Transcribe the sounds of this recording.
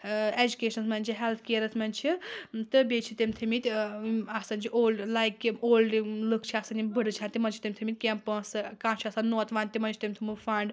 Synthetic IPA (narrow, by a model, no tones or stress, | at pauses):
ed͡ʒukʲeːʃɐnsmɐnʲt͡ʃʰiɦelt̪ʰkeːɾɐsmɐnt͡ʃʰit̪ɨbʲet͡ʃʰit̪emʲt̪ʰɨmit̪ʲɐsɐnt͡ʃʰiʔolɖlajkːioːlɖlɨkʰt͡ʃʰiasɐnimbəɽɨt͡ʃʰaːnt̪ʲimɐnt͡ʃʰi̥t̪imʲt̪ʰmʲit̪̚ʲkʲempə̃sɨkãːt͡ʃʰiɐsannoːt̪ʰʋaːnt̪imɐnt͡ʃʰi̥t̪emʲt̪ʰɨmɨfɐɳɖ